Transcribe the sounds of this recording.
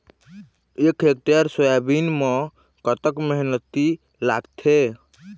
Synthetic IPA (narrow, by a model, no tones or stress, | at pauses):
ekʰek̚t̪ijaɾsəjabinmẽ | kət̪əkməɦnət̪ːi | laɡt̪ʰe